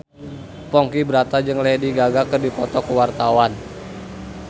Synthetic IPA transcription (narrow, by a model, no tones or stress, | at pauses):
pɔŋkibəɾat̪ad͡ʒɨŋlɛdiɡaɡakərdipɔt̪ɔkəwart̪awan